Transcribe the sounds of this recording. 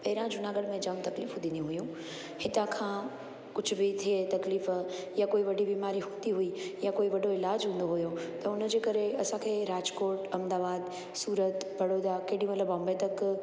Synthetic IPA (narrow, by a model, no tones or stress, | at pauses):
pɐɦɪɾãd͡ʑʊnaːɡəɽmẽd͡ʑɐmt̪ɐkliːfũd̪ĩːnd̪iũɦʊjũ | hɪt̪ãkʰãː | kʊd͡ʑʱʊ̆bɪt̪ʰiet̪ɐkliːfjakoːiʋɐɖʱibiːmaːɾiɦũːnd̪iɦʊijakoːiʋɐɖoɪlaːd͡ʑɦũːn̆d̪oɦʊjot̪ɐʊnə̆d͡ʑeːkɐɾeɐsãkʰeːɾaːd͡ʒkoːʈɐmd̪aːbaːd̪ | suːɾət̪bɐɽoːd̪akɐɦɽĩʋɐləbɔ̃ːmbet̪ɐk